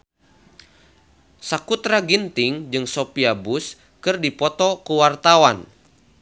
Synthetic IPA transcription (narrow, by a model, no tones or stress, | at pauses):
sakut̪ɾaɡint̪ɪŋd͡ʒɨŋsopiabus | kɨrdipɔt̪ɔkuwart̪awan